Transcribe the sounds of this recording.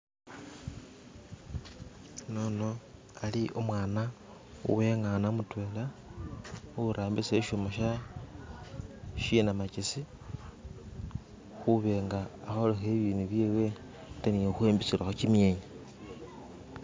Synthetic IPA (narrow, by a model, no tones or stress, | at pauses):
nono | aliʔomwaːna | ṵwe̞ŋanamutwe̞ːla | uɾʔaːmbiseʃomoʃa | ʃinamacisi | xuβe̞ŋɡaːxolexeβiːnuβjeːwe̞ | taniexweːmbit͡silaxot͡ʃimjeːɲa